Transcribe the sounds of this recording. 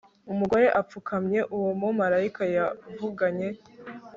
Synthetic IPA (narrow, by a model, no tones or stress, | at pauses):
umuɡo̞ɾe̞ʔap͡fukʰamɲe̞ʔuwomomaɾaikajavuɡaɲe̞